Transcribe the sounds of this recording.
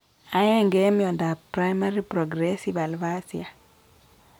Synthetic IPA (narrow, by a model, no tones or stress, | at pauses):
aɛŋɡɛmjɔndapɾajmaɾipɾɔɡɾɛsiβalvasia